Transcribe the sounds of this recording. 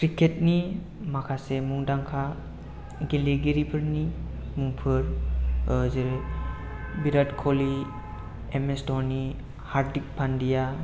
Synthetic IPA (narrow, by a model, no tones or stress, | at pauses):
kɾikʰet̚ni | makʰasemuŋdaŋkʰa | ɡeliɡiɾipʰɯɾnimuŋpʰɯɾ | zeɾ | biɾadkʰɔli | emestɔni | haɾdik̚pʰandija